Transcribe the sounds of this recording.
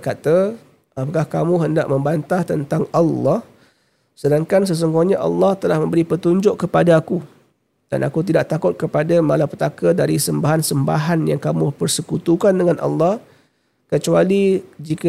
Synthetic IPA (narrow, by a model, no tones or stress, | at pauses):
kat̪ə | apakahkamuɦəndaʔmə̃mbant̪aht̪ənt̪aŋɑlːɑh | sədaŋkans̬əs̬uŋoɲaʔɑ̰lːɑht̪əlahmə̃mbəɾipət̪uɲd͡ʒʊʔkːəpadaːku | d̥a̰nʔa̰kut̪̬idaʔt̪akʊt̪̚kəpadamalapət̪akədaɾisəmbaɦansəmba̰ɦanjaŋkamupərsəkut̪ukandəŋanʔɑ̰lːɑh | kət͡ʃualid͡ʒikə